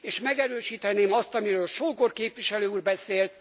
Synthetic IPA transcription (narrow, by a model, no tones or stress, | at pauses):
eːʃmɛɡɛɾøːʃiːt̪ɛneːmɒst̪ɒmiɾøːlʃoːɡorkeːpʋiʃɛløːuːrbɛseːlt̪